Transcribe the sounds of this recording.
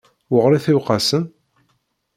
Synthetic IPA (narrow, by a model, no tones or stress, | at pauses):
wʊʁɾiθæwqɑsən